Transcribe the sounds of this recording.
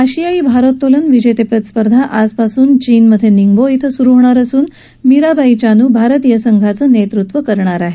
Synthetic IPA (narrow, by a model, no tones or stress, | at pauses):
aɕijaiːbʱaɾot̪ːolənʋid͡ʑet̪epət̪spəɾd̪ʱaʔaspasuːnt͡ɕiːnməd̪ʱjeniŋɡboit̪ʰəsuɾuʋɳaɾəsuːn | miɾabait͡ɕanuːbʱaɾət̪ijəsəŋɡʱat͡səːnet̪ɾut̪ʋəkəɾɳaɾaɦe